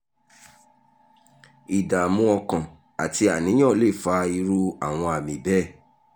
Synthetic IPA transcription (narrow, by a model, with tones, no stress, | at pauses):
i˨da˨mũ˧ɔ˧kã˨ | a˨ti˧a˨nĩ˨˦j̃ã˦˨le˦˨fa˧i˧ɾu˧a˦˨w̃ɔ̃˧a˨mĩ˨bɛ˦˨